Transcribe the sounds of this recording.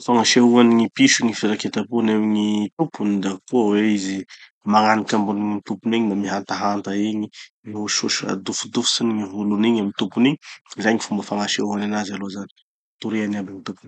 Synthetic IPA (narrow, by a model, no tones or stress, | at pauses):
faŋaʃeɦuaniŋipiʃuŋifiɾaket̪apunewɲit̪upunid̪akuəweizi | maŋanikambunumit̪upuniɲimamiɦant̪aɦant̪aiɲi | niuʃuʃa̰d̪ufud̪ufu̥siniŋiɦuluniɲamint̪upuniɲzajŋifumbafaŋaʃeuananazaloazani̥ | t̪uɾianabiŋit̪upun